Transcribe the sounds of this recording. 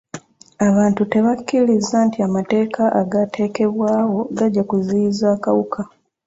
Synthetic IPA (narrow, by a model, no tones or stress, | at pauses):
aβaːntute̞βakːilizantiamate̞ːkaʔaɡatʰe̞ːke̞βwaːwo̞ɡaɟːakuziːzaːkawukʰa